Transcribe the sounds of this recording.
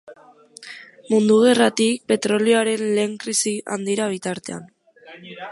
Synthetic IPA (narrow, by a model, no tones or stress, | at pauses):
mund̪uɣ̞e̞rat̪ik̚pe̞t̪ɾo̞lioaɾe̞nle̞ːŋkɾisiʔa̰nd̪iɾaβ̞it̪aɾt̪e̞a̰n